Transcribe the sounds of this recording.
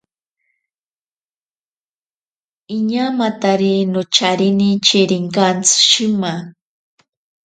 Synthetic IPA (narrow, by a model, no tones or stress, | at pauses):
iɲamat̪aɾinʊt͡ʃaɾinit͡ʃiɾiŋkant͡sʃima